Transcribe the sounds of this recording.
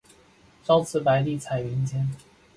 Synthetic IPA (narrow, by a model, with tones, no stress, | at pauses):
ʈ͡ʂɑ˥ʊt͡sʰɹ̩˥˩pa˧˥ɪt̪i˥˩t͡sʰa˨˩ɪi˧˥nt͡ɕjɛ˥n